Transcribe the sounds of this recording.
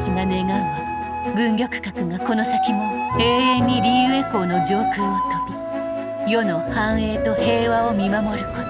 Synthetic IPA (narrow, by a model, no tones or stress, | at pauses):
ɕinane̞ɡaɯ̃βa | ɡɯ̟̃ŋɡʲo̞kɯ̟̥kakɯ̟ɡako̞no̞sakʲimoe̞ːeɲ̟ːiɾʲijɯɯeko̞ːno̞d͡ʑo̞ːkɨːβakaki | jo̞no̞hãɰ̃e̞ːt̪o̞he̞ːβao̞mʲimamo̞ɾɯ̟ko